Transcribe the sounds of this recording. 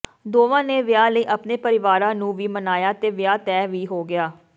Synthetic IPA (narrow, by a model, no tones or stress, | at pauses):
d̪oːʋãːneːʋɪjaːləiːʔəpneːpəɾɪʋaːɾãːnũːʋiːmənaːjaːt̪eːʋɪjaːt̪ɛːʋiːɦoːɡɪjaː